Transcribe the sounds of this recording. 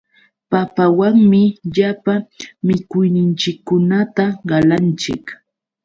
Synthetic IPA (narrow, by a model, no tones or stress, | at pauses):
papawaŋmɪʎapamɪkʊjnɪnt͡ʃɪkːʊnat̪aɢɑlant͡ʃɪ̰k